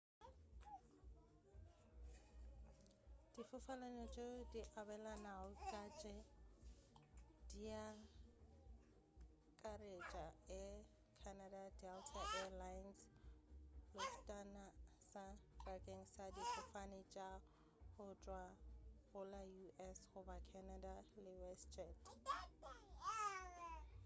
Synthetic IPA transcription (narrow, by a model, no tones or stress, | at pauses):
d̥ifʊfalanɔt͡ʃʼediʔabɛlanaʊkʼat͡ʃʼɛ | d̥ia | kʼaret͡ʃʼaɪ | kʰanadadɛltʰaʔɛalajns | lʊstʼanasadrakʼeŋ̩sadipʰɔfanɪt͡ʃʼa | hʊt͡ʃʼwaɣʊlajuʔɛshʊbakʰɛnadalɪwɛst͡ʃʼɛt